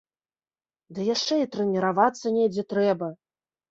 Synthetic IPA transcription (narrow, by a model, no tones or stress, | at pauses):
d̪ɨjaʂt͡ʂɛit̪ɾɛnʲɛɾavat̪sːɐnʲɛd͡zʲɛt̪ɾɛbɐ